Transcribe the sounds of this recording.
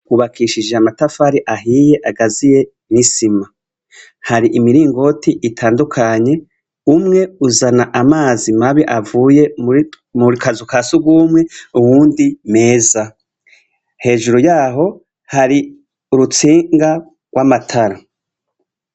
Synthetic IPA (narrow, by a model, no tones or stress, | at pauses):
kuβakʰiʃid͡ʒeamatafaɾiʔaɦiːje̞ʔaɡazije̞ | nisima | haɾiʔimiɾiːŋɡo̞tiʔitʰaːndukʰaɲe̞ | umŋe̞uzanaʔamaːzimaβiʔavuːje̞ | muɾikazukaːsuɡwuːmŋe̞uwuːndime̞ːza | he̞ːʒuɾujaːɦo̞ | haɾi | uɾut͡siːŋɡa | ɡwʔamatʰaɾa